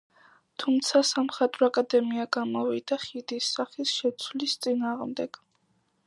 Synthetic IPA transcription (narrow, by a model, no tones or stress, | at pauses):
t̪ʰumt̪sʰasamχat̪ʼɾɔakʼad̪ɛmiaɡamɔvid̪̥aχid̪isːaχisʃɛt̪sʰwlist̪sʼinaːʁmd̪ɛɡ̥